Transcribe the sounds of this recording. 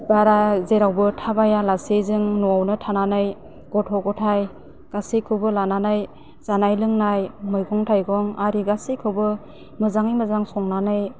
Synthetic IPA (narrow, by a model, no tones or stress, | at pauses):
baɾazeɾawbɯtʰabajalasejzɯŋnɔawnɯtʰananaj | ɡ̥ɔtʰɔɡɔtʰaj | ɡ̥asikʰɯwbɯlananaj | z̥anajlɯŋnajmɯjɡɔŋtʰajɡɔŋaɾiɡasikʰɯwbɯ | mɯzaŋijmɯzaŋsɔŋnanaj